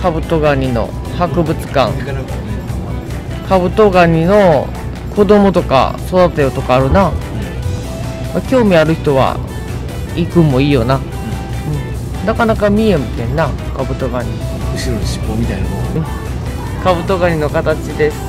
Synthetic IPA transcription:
kabɯ̟t̪o̞ɡaɲ̟ino̞̰ | hakɯ̟bɯ̟t͡sɨ̥kã̰ŋ | kʰabɯ̟t̪o̞ɡaɲ̟ino̞ | kʰo̞d̪o̞mo̞t̪o̞ka̰so̞d̪at̪ajot̪o̞kaːɾɯ̟na | akʲo̞ːmʲiaɾɯ̟çi̥t̪o̞βa̰ | ikɯ̟̃mːo̞iːjo̞na | ɯ̟̃ɴ | nakanakamʲiemit̪ẽnːakabɯ̟t̪oɡaɲiɕiɕi̥omʲit̪aɯ̟̃ | kabɯ̟t̪o̞ɡaɲ̟ino̞kat̪at͡ɕid̪e̞sɨ̥

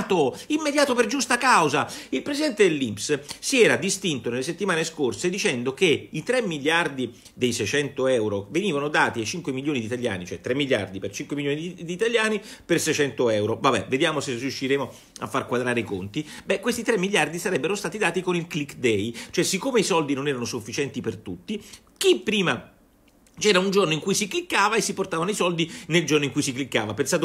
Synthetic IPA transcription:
t̪oimːed̪jaːt̪operd͡ʒust̪akawzailpɾesid̪ɛnt̪ed̪elːimpssiɛːɾad̪ist̪int̪onelːeset̪ːimaːneskorsed̪it͡ʃɛnd̪ok̟eit̪ɾemːiljard̪i | d̪ejsɛjt͡ʃɛnt̪oɛwɾoveniːvanod̪aːt̪iat͡ʃiŋkwemiljoːnid̪it̪alja̰ːnit͡ʃoɛt̪ːɾemːilja̰rd̪ipert͡ʃiŋkwemiljoːnid̪iːt̪aljaːnipersɛjt͡ʃɛnt̪oɛwɾovabːɛ̰ved̪jaːmoserjuʃːiɾeːmo | a̰fːarkwad̪ɾaːɾeikont̪ibɛkːwest̪it̪ɾɛmːilʎjard̪isaɾɛbːeɾost̪aːt̪id̪aːt̪ikonilklikːd̪ɛjt͡ʃoɛsikːoːmeisɔld̪inonɛːɾanosufːit͡ʃɛnt̪ipert̪ut̪ːi | k̟ipːɾiːma | t͡ʃɛːɾaund͡ʒornoiŋkujsiklikːaːvaesːiport̪aːvanoisɔld̪ineld͡ʒornoiŋkujsiklikːaːvapensaːt̪o

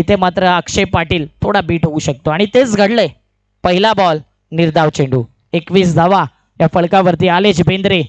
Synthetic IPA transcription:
it̪ʰemat̪ɾəəkʂepːaʈiːlt̪ʰoɽabiːʈɦouɕək̚t̪oaɽ̃it̪et͡sɡʱəɽle | pəɦilabɔl | niɾd̪ʱaʋt͡ɕeɳɖuː | ekʋiːsd͡zʱaʋa | jafəɭkaʋəɾt̪iːaled͡ʑbend̪ɾe

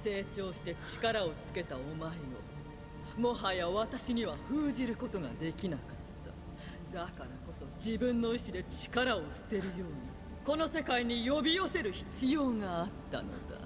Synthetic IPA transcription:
se̞ːt͡ɕo̞ːɕi̥t̪e̞t͡ɕi̥kaɾao̞t͡sɨ̥ke̞t̪aomaimo | mo̞ɦajaβat̪aɕiɲ̟iβaɸɯːʑiɾɯ̟ko̞t̪o̞ɡa̰d̪e̞kʲinakat̪ːa | d̪akaɾako̞so̞d͡ʑibɯ̟̃nːo̞iɕid̪e̞t͡ɕi̥kaɾao̞ɕɨ̥t̪e̞ɾɯ̟jo̞ːɲ̟i | ko̞no̞se̞kaiɲ̟ijo̞bʲijo̞se̞ɾɯ̟çi̥t͡sɨjo̞ːŋaːt̪ːa̰no̞̰d̪a̰

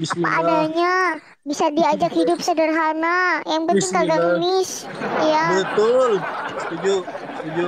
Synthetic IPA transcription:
iapa̰ʔːdaɲa | bisadiad͡ʒakhidʊp̚sədərɦanajaŋpəniŋkaɡaəmɪs | jabət̪ʊlst̪ud͡ʒu | st̪ud͡ʒu

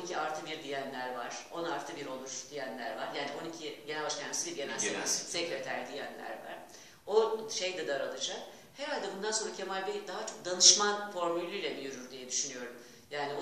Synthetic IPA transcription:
icʰiaɾt̪ʰɯbiɾd̪ijænlʲæɾvaɾ̥o̞naɾt̪ʰɯbiɾo̞lˠuɾ̥d̪̥ijænlʲæ̰ɾvaɾjaːnio̞nicʰiɟenælʲbaʃcaɾmasibiɾɟemælʲsisɛclʲet̪ʰæɾd̪ijænlʲæ̰ɾva̰ɾ̥ | oʃejd̪ɛd̪aɾalˠɯd͡ʒak | heɾalʲd̪ɛbund̪anso̞nɾacʰemalʲbɛd̪aɦat͡ʃʰo̞k̚d̪anɯʃmanfo̞ɾmylʲːyjlʲɛbijyɾyɾd̪ijɛd̪yʃynyjo̞ɾum | jaːnio

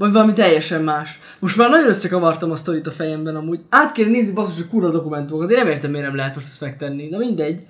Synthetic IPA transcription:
vɒɟvɒlɒmit̪ɛjːɛʃɛmːaːʃ | mo̞ʃt̪maːrnɒɟo̞nøsːɛkɒvɒrt̪ɒmɒst̪o̞ɾit̪ɒfɛjɛmbɛnɒmuːɟaːt̪keːlneːznibɒst̪oʃockuːrvɒd̪o̞kumɛnt̪umokɒt̪̬eːnɛmeːrt̪ɛmːeːrnɛmlɛɦɛt̪mo̞ʃt̪ɛ̥st̪mɛk̚t̪ɛnːid̪ɛmind̪ɛɟː

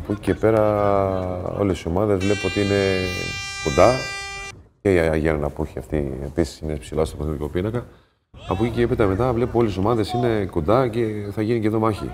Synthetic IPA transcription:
ɐpocice̞pe̞ɾɐ | o̰lesio̞mɐðe̞zvle̞puot̪iine̞ | ko̞nd̪ɐ | ceiɐʝenɐnɐpuçiɐ̰ft̪iepisi̥sinespsilɐspoθeðikopinɐkɐ | ɐpocicepet̪ɐme̞t̪ɐvle̞puo̞leso̞mɐðe̞sine̞kond̪ɐce̞θɐʝinice̞ðomɐçḭ

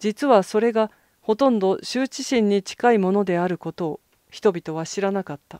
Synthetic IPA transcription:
d͡ʑit͡sɨβaso̞ɾe̞ɡa | ho̞t̪õ̞nd̪o̞ɕɨːt͡ɕiɕĩɲ̟ːit͡ɕi̥kaimo̞no̞d̪e̞aɾɯ̟ko̞t̪o̞ː | çi̥t̪o̞bʲit̪o̞βaɕiɾanakat̪ːa

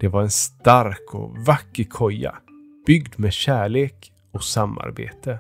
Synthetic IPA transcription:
d̪̥ɛvaɾɛnst̪aɾkʰɔ̰vakːəkʰɔjːa̰ | b̥ʏɡd̪meɕæːɭeːk | ɔsamːa̰ɾbḛːt̪ə

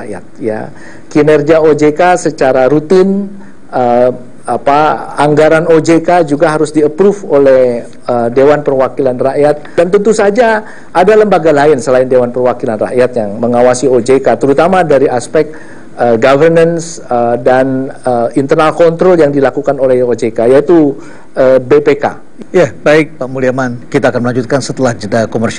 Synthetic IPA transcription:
aja̰t̪̚ja̰ | kinɛrɡiaod͡ʒekasət͡ʃaɾaɾut̪ɪn | ə | apaaŋɡaɾanod͡ʒekad͡ʒuɡaɦaɾʊsdiəpɾufolɛh | ədewanpərwakilanraʔjat̪̚dant̪ənt̪usad͡ʒa | ʔadaləmbaɡalaɪnsəlaɪndewanpərwakilanra̰ʔjat̪̚jaŋməŋawasiod͡ʒekat̪əɾut̪amadaɾiʔaspɛk̚ | əɡavərnans | ədanəint̪ərnalkɔnt̪ɾɔljaŋdilakukanolɛhod͡ʒekajait̪u | əbepeka̰ | jabaɪk̚pamuliamankit̪aːkanməlaɲd͡ʒut̪̚kansət̪əlahd͡ʒədakomərs

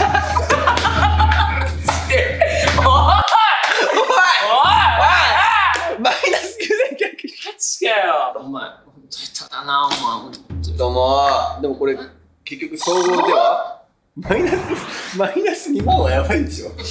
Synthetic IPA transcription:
eo | a | mainasɨekekʲːokɯ̥ai̥kaooma | õt̪oit̪ːat̪anamaõt̪ot̪omad̪e̞moko̞ɾe̞ | ke̞kʲːokɯ̟soːɡoːt̪ea | mainasɨmainasɨɲimõajabaĩd̪esjo

